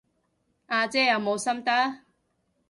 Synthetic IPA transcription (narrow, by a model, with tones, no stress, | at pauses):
ʔaː˧t͡sɛː˥jɐ˨˧wmo˨˧wsɐ˥mt̪a˥